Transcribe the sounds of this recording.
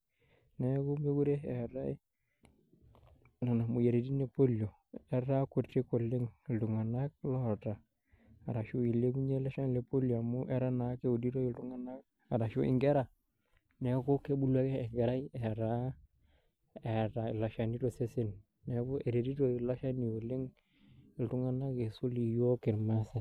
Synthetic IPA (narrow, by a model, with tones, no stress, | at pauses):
nɛ˦ku˦me˦ɡu˦ɾe˦ɛ˨ɾa˦i˦ | na˨na˨mu˨je˨ɾe˨di˦ne˨po˦ljo˨ | ɛ˨ɾa˦ku˨te˦ko˨lːɪ˦ŋ˨ltu˨ŋa˨na˦k̚lɔ˦ta˨ | a̰˨ɾa˨ʃu˦i˨le˦ku˦ɲe˦la˦ʃa˦n˨le˨po˦ljo˨a˨mʊ˦ʔɛ˦ɾa˦na˨˦ke˦u˨di˦ɾo˦ji˨ltu˨˦ŋa˨na˦k̚ | a˨ɾa˨ʃṵ˦ɪ̰˨ŋɡɛ˦ɾa˨ | nɛ˨ku˦ke˦bu˦lwa˦kɛː˦˨ŋɡɛ˨ɾa˦jɛ˨ɾa˦ | ɛ˨ta˨i˨la˨ʃa˨ni˦to˦˨se˦sɪ˦n | nɛ˨ku˦e˨ɾe˨di˦to˨i˨la˦ʃa˦ni˨ko˨lɪ˦ŋ | ɪ˨ltu˦ŋa˦na˦ke˨su˦li˨jo˦kɪ˨ɾma˦se˨